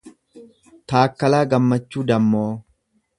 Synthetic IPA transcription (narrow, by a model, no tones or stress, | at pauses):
t̪aːkːɐlaːɡɐmːɐt͡ʃːuːd̪ɐmːoː